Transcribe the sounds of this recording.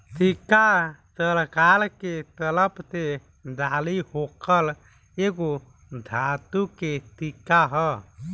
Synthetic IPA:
t̪ikat̪əlkalket̪ələpt̪e | d̪alihokəl | eɡo | d̪ʱat̪uket̪ikaɦə

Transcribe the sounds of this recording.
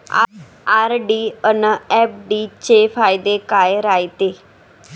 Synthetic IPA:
a̰ | aːɾɖiːənəɛp̚ʰɖiːt͡ɕeːpʰaːjd̪ekaːjɾaːit̪eː

